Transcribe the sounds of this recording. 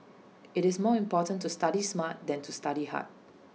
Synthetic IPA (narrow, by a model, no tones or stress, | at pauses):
ɪɾɪsmɔĩmpɔtə̃ntustaɾismat̚dɛ̃ntʰustaɾiha̰t̚